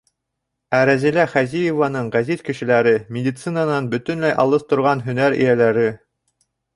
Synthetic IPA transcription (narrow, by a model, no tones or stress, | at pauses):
æɾæzilæχæzijevanɤɴʁæzit̪kɘ̆ʃɘ̆læɾɘmʲɪd̪ʲit̪sɨnanɑnbɵ̆t̪ɵ̆nlæjʔɑ̰lˠɤθt̪ŏɾʁɑnɦɵ̆næɾḭjælæɾɘ